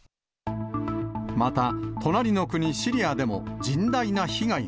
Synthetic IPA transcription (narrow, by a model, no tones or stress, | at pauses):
mat̪at̪ʰo̞naɾʲino̞kɯ̟ɲ̟iɕiɾʲiad̪e̞mo̞d͡ʑĩnd̪ainaçiɡai